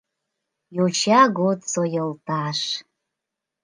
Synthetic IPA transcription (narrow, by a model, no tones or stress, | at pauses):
jot͡ɕɑɣot̪sojə̆lt̪ɑʃ